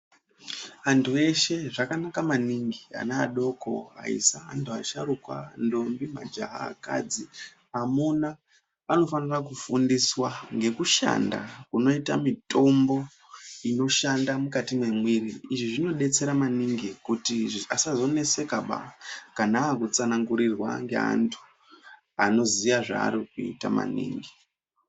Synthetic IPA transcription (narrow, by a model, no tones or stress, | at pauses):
antʰue̞ʃe̞ʐakanakamaniŋɡia̰naaɗo̞ko̞a̰ḭsaa̰ntʰuaʃarukwa̰ndo̞mbimad͡ʒa̰ɦa̰ːka̰d͡zi | amuna | ano̞fanirak̬ufundiswaŋɡe̞kuʃa̰nda̰kuno̞itamito̞mbo̞ | ino̞ʃandamukatimwe̞mwiriiʐiʐino̞ɗe̞t͡se̞ɾamaniŋɡikutiasazo̞ne̞se̞kaɓa̰kanaːkut͡sanaŋɡuɾirwa̰ŋɡea̰ntʰu̥ | ano̞zijaʐa̰ːɾikuḭta̰ma̰nḭːŋɡi